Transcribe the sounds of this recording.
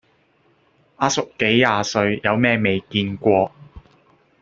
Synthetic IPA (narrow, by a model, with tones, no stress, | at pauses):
ʔaː˧˥sʊ˨kkːe˨˥jːaː˨˧sɵ˧ɥjɐ˨˧wmɛː˥me˨jkiː˧nkʷɔː˧